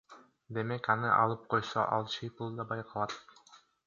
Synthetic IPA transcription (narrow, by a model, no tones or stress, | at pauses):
d̪e̞mekɑnɯʔɑ̰lˠɯp̚qʰo̞jso̰ʔɑ̰lˠt͡ʃʰijpulˠd̪ɑbɑjqʰɑlˠɑt̪